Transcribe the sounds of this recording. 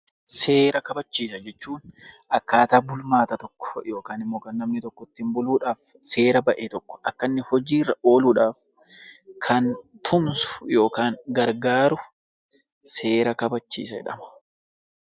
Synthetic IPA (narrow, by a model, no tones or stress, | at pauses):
se̞ːɾɐkɐbɐt͡ʃːiːsɐd͡ʒɛt͡ʃːuːnʔɐkːaːt̪aːbʊlmaːt̪ɐt̪ɔkːɔ̥jo̞ːkaːnɪmːo̞ːkaːnːɐmnɪt̪ɔkːɔt̪ːɪmbʊluːᶑaːf | se̞ːɾɐbɐʔeːt̪ɔkːɔ̥ʔɐkːɐnːɪhɔd͡ʒiːrːɐʔo̞ːluːᶑaːf | kʰɐnt̪ʰʊmsʊ̥jo̞ːkaːŋɡɐɾɡaːɾʊ | se̞ːɾɐkɐbɐt͡ʃːḭːsɐɛ̰ᶑɐ̰mɐ̥